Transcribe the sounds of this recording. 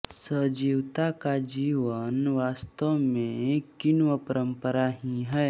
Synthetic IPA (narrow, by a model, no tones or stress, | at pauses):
səd͡ʒiːʋt̪akad͡ʒiːʋənʋaːst̪əʋmẽkɪnʋəpəɾə̃mpəɾaɦĩɦɛː